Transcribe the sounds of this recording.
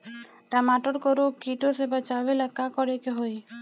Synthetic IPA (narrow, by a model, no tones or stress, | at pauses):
ʈamaʈɔɾkɔɾokiʈosebat͡ʃaʋelakakɔɾekeɦoj